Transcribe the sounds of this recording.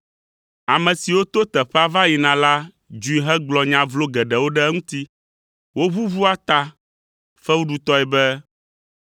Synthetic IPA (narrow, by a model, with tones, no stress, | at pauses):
a˨mɛ̃˨si˨wo˦t̪o˦t̪ɛ˨ɸɛ˦a˦va˦ji˨nã˨la˦ | d͡ʒu˨i˨ɦɛ˦ɡ͡blɔ˨ɲã˨vlo˦ɡɛ˨ɖɛ˨wo˦ɖɛ˦ŋũ˦t̪i˦ | wo˦βu˦vu˦a˦t̪a˦ | fɛ˦wu˦ɖu˨t̪ɔ˦ɛ˨bɛ˦